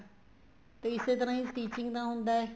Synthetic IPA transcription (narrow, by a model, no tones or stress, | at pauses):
t̪eːɪseːt̪̬əɾãːiːsʈiːt͡ʃɪ̃ŋɡd̪ãːɦʊnd̪aːɛː